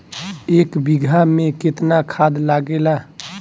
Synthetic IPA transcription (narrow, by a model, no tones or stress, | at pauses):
eːkbiɡʱamẽkɪt̪nakʰaːd̪laːɡelaː